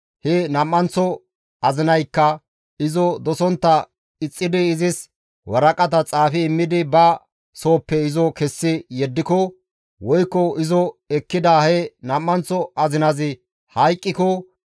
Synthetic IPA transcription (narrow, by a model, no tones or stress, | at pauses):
hɛnɐmːɐnt͡sːɔ | ɐzɪnɐjkːɐ | ɪzɔd̪ɔsɔnt̪ːɐ | ɪt͡sʼːɪd̪ɪːzɪs | wɐɾɐkʼɐt̪ɐt͡sʼaːfɪːmːɪd̪ɪbɐ | so̞ːpːɛɪzɔkɛsːɪjɛd̪ːɪkɔ | wɔjkːɔɪzɔɛkːɪd̪ahɛnɐmːɐnt͡sːɔɐzɪnɐzɪ | hɐjkʼːɪkɔ